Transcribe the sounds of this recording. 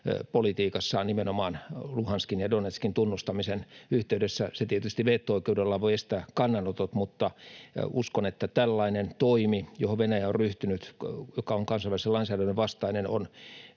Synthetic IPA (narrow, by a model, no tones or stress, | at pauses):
polit̪iːkɑsːɑnimenomɑːnluhɑnskinjɑdonet̪skint̪unːust̪ɑmisenyht̪eydesːæset̪iet̪yst̪iʋeːt̪ːooikeudelːɑʋoiest̪æːkɑnːɑnot̪ot̪mut̪ːɑuskonet̪ːæt̪ælːɑinent̪oimijohoʋenæjæorryht̪ynyt̪jokɑoŋkɑnsɑiʋæliselɑinsæːdænːeʋɑst̪ɑineno̰n